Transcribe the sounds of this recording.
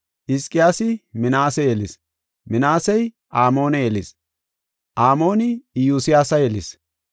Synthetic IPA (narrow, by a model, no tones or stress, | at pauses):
ʔɪskʼɪjaːsɪmɪnaːsɛjelɪs | mɪnaːsɛj | ʔaːmo̞ːnɛjelɪs | ʔaːmo̞ːnɪjuːsɪjaːsɐjɛlɪ̰s